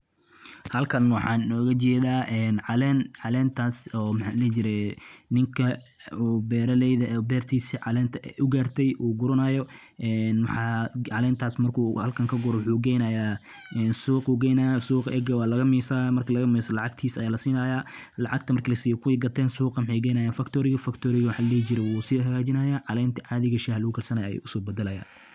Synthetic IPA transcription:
hɐlkʰɐnwɑħɑːnɪnɔːɣɐt͡ʃɛːðaːʔɛːnʕɑlɛːnʕɑlɛːnt̪ʰaːsɔːmħɑːnɛt͡ʃɪɾɛnɪŋkʰɐ | uːbɛːɾɐlɛjðɐʔbɛːrt̪ʰiːsiʕɑlɛːnt̪ʰɐɛʔʊɡaːrt̪ʰɛjʔuːɡʊɾʊnajɔ | ʔɛːnwɑħɑːʕɑlɛːnt̪ʰaːsmɐrkʰuːhɐlkʰɐŋkʰɐɡʊɾɔwʊħuːɡɛjnajaː | ʔɛːnsuːquːɡɛjnɐjasuːqʔɛ̰ɡɐwɑːlɐɣɐmiːsaːmɐrkʰɐlɐɣɐmiːsɐlɑʕɑɡ̚t̪ʰiːsɐjaːlɐsiːnaːjaː | lɑʕɑɡt̪ʰɐmɐrkʰɐlɐsiːjɔkʰʊwɛjɡɐt̪ʰɛːnsuːqɑwʊħɛjɡɛjnɐːjaːnfɐkt̪ʰɔːɾɪɣɐfɐkt̪ʰɔːɾɪɣɐwʊħɑːlɐlɛːt͡ʃɪɾɛwuːsɪðɐɦɐɣaːt͡ʃɪnɐːjaːʕɑlɛːnt̪ʰɐʕɑðɪɣɐʃihɐlɐɣʊkʰɐlsɐnɐja̰jɛ̰ʔʊsɔːbɛd̪ɐlɐja̰ː

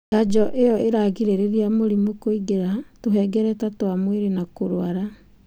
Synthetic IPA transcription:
ɡad͡ʒɔʔejɔeɾaɣiɾeɾeɾiamoɾimokoiɡeɾatoɦɛːɡɛɾɛtatoamweɾenakoɾoaɾa

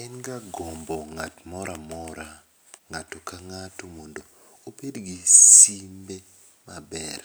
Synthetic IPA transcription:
ɛnɡaɡombɔŋatmɔɾamɔɾa | ŋatokaŋatomondo | opedɡisimbe | mabɛ̰r

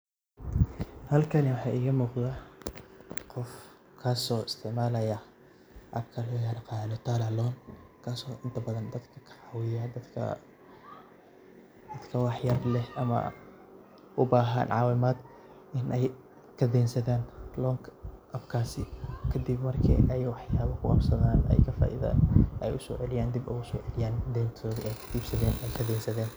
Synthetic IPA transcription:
hɐlkʰɐnɪwɑħɑːjʔɪɣɐmuːqða | qɔf | kʰaːsɔːɪst̪ʰɪʕmaːlɐjɐ | ʔɐb̚kʰɐlɔːjaːɾqɑːlɔt̪ʰaːlɐlɔːnkʰaːsɔːʔɪnt̪ʰɐbɐðɐnd̪ɐd̪kʰɐ̥kʰɐ̥ʕɑwɪjɐd̪ɐkʰɐ̰ | d̪ɐd̪kʰɐwɑːħjaːrlɛhʔɐmɐ̰ | ʔʊbaːɦɐ̰nʕɑːwɪmaːd̪ | ʔɪnʔɛj | kʰɐd̪ɛːnsɐðaːnlɔːŋkʰɐʔɐbkʰaːsɪkʰɐd̪ibmɐrkʰḭːʔɛjwɑħjaːβɐkʰʊqɑbsɐðaːnɛ̰jkʰɐfa̰ːʔḭðɐ̰ʔɛjʊsɔ̰ːʕɛlɪjaːnd̪ibɛʊsɔːʕɛlɪjaːnd̪ɛːnt̪ʰɔːðiɛjkʰɐ̥t̪ʰiːbsɐðɛːnɛjkʰɐd̪ɛːnsɐðɛːn

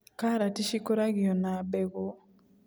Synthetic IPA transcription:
kaɾatiʃikoɾaɣiɔnabɛɣo

